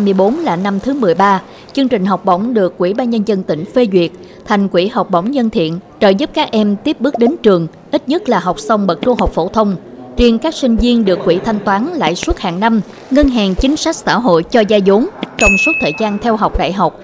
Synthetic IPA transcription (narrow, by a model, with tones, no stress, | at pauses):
mɨ˧əjɓo˨˦nlaː˨˩na˧mt̪ʰɨ˨˦mɨ˨˩əjɓaː˧ | t͡ɕɨ˧əŋt͡ɕï˨˩ŋ̟ɦɔ˨˩wk͡p̚ɓə˧˩wŋ͡mɗɨ˨˩əkːwḭ˧˩ɓaː˧nɲə˧nzə˧nt̪ï˧˩ŋ̟fe˧zwi˨˩ət̚ | t̪ʰa˨˩jŋ̟kwi˧˩ha˨˩wk͡p̚ɓə˧˩wŋ͡mzə˧nt̪ʰḭ˧˨ənt͡ɕəː˧˨˩jzɨ˦˥p̚kaː˦˥k̚ʔɛ˧mt̪i˦˥əp̚ɓɨ˦˥ək̚ɗe˨˦nt͡ɕɨ˨˩əŋ | ʔi˦˥t̚ɲə˦˥t̚laː˨˩ɦa˨˩wk͡p̚sə˧wŋ͡mɓə˨˩t̚t͡ɕu˧əŋɦa˨˩wk͡p̚fo̰˧˩t̪ʰə˧wŋ͡m | t͡ɕi˧ənkaː˦˥k̚sï˧ŋ̟zi˧ənɗɨ˨˩əkːwi˧˩t̪ʰa˧jŋ̟t̪waː˨˦nla̰ː˧˨jsu˦˥t̚haː˨˩ŋna˧m | ŋə˧nɦaː˨˩ŋt͡ɕï˨˦ŋ̟sa˦˥k̚sa̰ː˧˩ɦo̰˧˨jt͡ɕɔ˧zaː˧jzu˨˦ŋ͡mt͡ɕɔ˧wŋ͡msu˦˥t̚t̪ʰəː˨˩jtzaː˧nt̪ʰɛ˧wɦa˨˩wk͡p̚ɗa̰ː˧˨jɦa˨˩wk͡p̚